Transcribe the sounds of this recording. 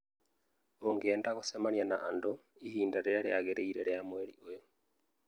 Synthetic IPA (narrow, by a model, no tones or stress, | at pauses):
oŋɡeːndaɣosemanianaʔːndoihiːndaɾeɾaɾejaɣeɾeiɾeɾejamweɾḭojo